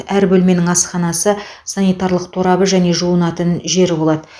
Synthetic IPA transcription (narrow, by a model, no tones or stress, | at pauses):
æɾbɵlme̞nɪŋɑsqɑnɑsəsɑnijt̪ɑɾlˠəqt̪ʰoɾɑbəʒæne̞ʒuənɑt̪ənʒe̞ɾɪbo̞lˠɑd̪ə